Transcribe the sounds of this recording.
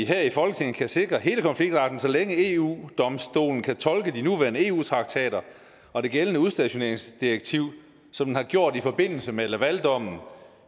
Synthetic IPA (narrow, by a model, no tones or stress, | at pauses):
iɦeɐ̰ifɒ̽lɡ̥ət͡sʰe̝ŋ̰n̩kʰæse̝ɡ̥ʁɐɦe̝ːləkʰɒ̽nfliɡ̥̚d̥ʁɑ̈ːd̥n̩sɒ̽leŋəe̝ːṵːd̥ɒ̽msd̥o̝̰ːln̩kʰæt͡sʰɒ̽lɡ̥ədinuʋæɐnəe̝ːṵːt͡sʰʁɑ̈ɡ̥̚t͡sʰɛ̰ːɾɐ | ɒ̽d̥e̝ɡ̥elənəuðˠsd̥æɕo̝ne̝ɐe̝ŋsd̥ieɡ̥̚t͡sʰiʊ̰ | sɒ̽m̥enhɑ̈ɡ̥jo̝ɐ̰d̥ifɒ̽b̥e̝n̰l̩səmelæʋæld̥ɒ̽m̰n̩